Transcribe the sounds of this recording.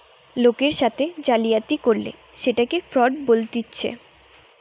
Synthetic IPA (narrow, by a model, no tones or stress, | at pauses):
lokeɾʃat̪ʰed͡ʑalijat̪ikoɾlḛ | ʃeʈakefɾɔɖbolt̪itːɕʰḛ